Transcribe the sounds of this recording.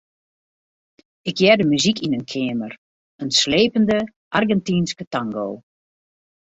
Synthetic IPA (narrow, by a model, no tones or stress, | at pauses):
ɪkjɛdəmyzikinənkʰɪːmər | ənsleːpəndə | ʔarɡɛntinskətaŋɡoː